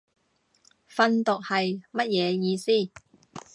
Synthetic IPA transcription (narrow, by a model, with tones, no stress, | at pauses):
fɐ˧nt̪ʊ˨k̚hɐ˨jmɐ˥t̚jɛː˨˧jiː˧siː˥˩